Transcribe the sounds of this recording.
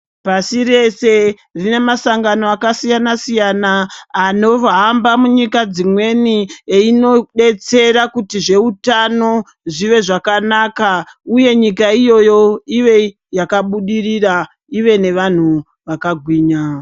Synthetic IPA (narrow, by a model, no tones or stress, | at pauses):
pasire̞se̞ | rine̞masaŋɡanoakasijanasijanaːno̞ʋaːmbamuɲikad͡zimwe̞nieino̞ɗe̞t͡se̞ɾakutiʐe̞utano̞ | ʐiʋe̞ʐakanaːkauje̞ɲikaijo̞jo̞iʋe̞ | jakaɓuɗirira | iʋe̞ne̞ʋan̤u | ʋakaɡʱwiːɲa